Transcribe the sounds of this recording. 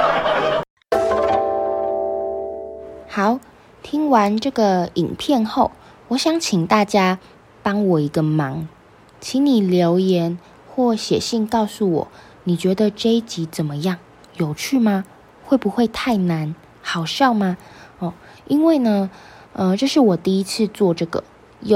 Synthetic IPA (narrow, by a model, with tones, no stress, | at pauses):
xɑ˨˦ʊ | t̪ʰi˥ŋwa˧˦nʈ͡ʂɤ˥˩ɡə˨˩i˨˩ŋpʰjɛ˥˧nxo˥˩ʊ | wɔ˧˥ɕjɑ˧˥ŋt͡ɕʰi˨˩ŋt̪a˥˩t͡ɕja˥ | pɑ˥ŋwɔ˨˩i˧˥ɡə˧mɑ˧˥ŋ | t͡ɕʰi˧˥ŋni˨˩ljo˧˥ʊjɛ˧˥n | xwɔ˥˩ɕjɛ̰˨˩ɕi˥˧nkɑ˥˧ʊsu˥˩wɔ̰˨˩˦ | ni˨˩t͡ɕɥɛ˧˥d̪ə˧ʈ͡ʂe˥ɪt͡ɕi˧˥t͡sə˨˩nmə˦jɑ˥˩ŋ | jo˨˩ʊt͡ɕʰy˥˩ma˧ | xwe˥˩ɪpu˧˦xwe˥˧ɪt̪ʰa˥˩ɪna˧˦n | xɑ˨˩ʊʂɑ˥˧ʊma˧ɔ˥˩ | i˥nwe˥˩ɪnə˩ | ə˧ʈ͡ʂɤ˥˧ʂɻ̩˥˩wɔ˨˩t̪i˥˧i˧˥t͡sʰɹ̩˥˧t͡swɔ˥˧ʈ͡ʂɤ˥˩ɡə̰˩ | jo˥˨